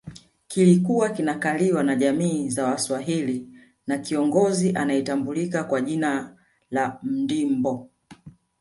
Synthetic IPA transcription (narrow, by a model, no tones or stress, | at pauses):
kilikuwakinakaliwanaʄamiːzawaswaɦili | nakiɔŋɡɔziʔanaɛtambulikakwaʄina | lam̩dimbɔ